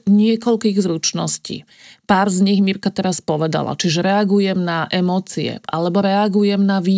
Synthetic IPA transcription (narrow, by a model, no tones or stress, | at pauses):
ɲɪɛkɔʎkiːɣzɾut͡ʃnɔscḭː | paːɾzɲiɣmiɾkat̪ɛɾaspɔʋɛd̪a̰la̰t͡ʃiʒɛɾɛaɡujɛmnaʔɛmɔːt͡siɛ̰ʔa̰lɛbɔɾɛaɡujɛmnaʋiː